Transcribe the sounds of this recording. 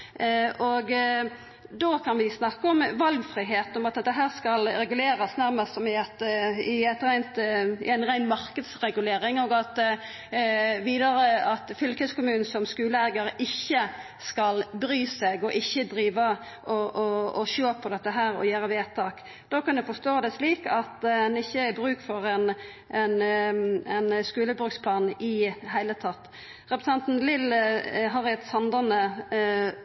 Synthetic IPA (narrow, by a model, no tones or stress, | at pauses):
ɔɡ | d̪okʰɑnʋɪsnɑkːəɔmʋɑlɡfʁiːɦeːt̪nɔmɑt̪d̪ɛt̪ːəɦæːʁskɑlɾɛɡʉleːɾɑsnæɾməst̪sɔmɪɑt̪ɪɛt̪ɾæɪnt̪ɪ̰ænʁæɪnmɑɾkəd̪sʁɛɡʉleːɾɪŋɔɡɑt̪ | ʋiːd̪ɑɾəɑt̪fʏlkɛskʊmʉːnn̩sɔmskʉːləæɡəɾəɪçːə | skɑlbɾyːseɡɔʔɪçːəd̪ɾiːʋə | ʔɔʔɔːʃoːpʰːɔd̪ɛt̪ːəɦæːɾɔ̰jøːɾəʋeːt̪ʰɑːk | d̪̥oːkɑnd̪ɛfɔst̪oːd̪ɛsliːkɑt̪ɛnɪçːəæɾbɾʉːkfɔɾɛn | ʔɛn | ɛnskʉːləbɾʉkspʰlɑːnɪɦæɪlət̪ʰɑt̪ː | ʁɛpɾəsɑnt̪n̩lɪlɦɑɾɛt̪sɑnd̪ənə